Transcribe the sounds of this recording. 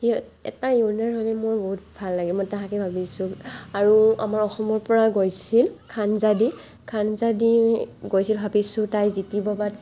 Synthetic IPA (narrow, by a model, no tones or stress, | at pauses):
iɔɛ̰tajunaɹɦolɛmojboɦut̚bʱalːaɡɛmojtaɦakɛbʱabisũaɹua̰maɹɔxɔmɔɹpɔɹaɡojsilkʰanzadi | kʰanzadiɡojsilbʱabisʊ̃tajzitibɔbat